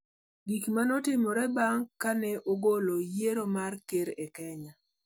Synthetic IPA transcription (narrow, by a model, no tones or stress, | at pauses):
ɡikmanɔtɪmɔɾɛbaŋkanɛʔoɡolojeɾomarkeɾekɛɲa